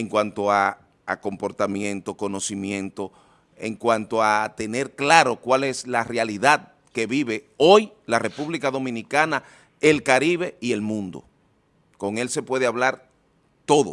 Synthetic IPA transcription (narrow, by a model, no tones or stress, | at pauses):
eŋkwant̪o̞a | a̰ko̞mpo̞ɾt̪amjẽ̞nt̪o̞ko̞no̞simjẽ̞nt̪o̞ | ḛŋkwant̪o̞at̪e̞ne̞ɾklaɾo̞kwale̞slarealiðað | ke̞βiβe̞ | o̞j | lare̞puβlikaðo̞mĩnikana | e̞lkaɾiβe̞ie̞lmũnd̪o̞̰ | ko̞ŋe̞lse̞pwe̞ðeaβlaɾ | t̪o̞ðo̰